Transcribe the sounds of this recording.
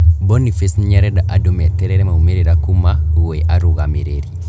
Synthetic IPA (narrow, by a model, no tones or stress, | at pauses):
bonifesnɲaɾɛɗaʔadumɛtɛɾeɾɛmaumeɾiɾakumawoiʔaɾuɣamiɾeɾi